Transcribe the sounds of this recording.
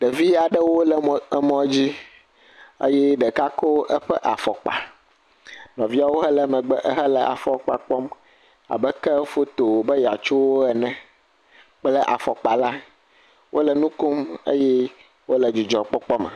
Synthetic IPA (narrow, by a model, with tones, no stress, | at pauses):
ɖə˨vi˦a˨ɖə˦wo˦lɛ˨˦mɔ̃˦d͡ʑi˦ | ə̰˦jɛ˦ɖɛ˨ka˦ko˦ʔə˦ɸɛ˦ʔa˨fɔ˨k͡pa̰˨ | nɔ̃˨vi˦a˦wo˦ɦɛ˦lɛ˦mɛ˨ɡ͡bʔɦɛ˦lɛ˨a̰˨fɔ˨k͡pa˨k͡pɔ˦m | a̰˨bɛ˦kɛ˦fo˦t̪o˨wo˨bə˦ja˨t͡ʃu˦wo˦ɛ˨nɛ̃˨ | k͡plɛ˦ʔa̰˨fɔ˨k͡pa˨la˦ | wʔo̰˦lə˨nũ˦ku˦mə̰˦jɛ˦ | wo˦lə˨d͡ʒu˨d͡ʒɔ˨k͡pɔ˦k͡pɔ˦mɛ̰˨